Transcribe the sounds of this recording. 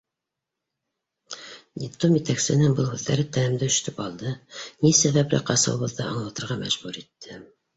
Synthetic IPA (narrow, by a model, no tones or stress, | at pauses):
d̪ʲɪplˠomjɘ̆t̪æksɘ̆nɘŋbɤlˠhʉðːæɾɘt̪ænɘ̆md̪ɘɵ̆ʃt̪ɵpɑlˠd̪ɤnisæβæplɘ̰qɑsɤ̰̆wβɤ̆ðːɑɑɴlˠɑt̪ɤ̆ɾʁɑmæ̰ʒbuɾit̪ʰːɘ